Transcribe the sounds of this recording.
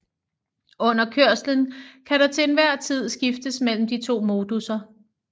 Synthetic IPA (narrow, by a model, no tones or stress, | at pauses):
ɔ̽n̰ɐkʰøɐ̰slənkʰæɾ̥ɑt͡sʰe̝ːnʋæɐ̰t͡sʰið̞̰ˠsɡ̥ifd̥əsmel̰m̩d̥it͡sʰo̝̰ːmo̝ːd̥usɐ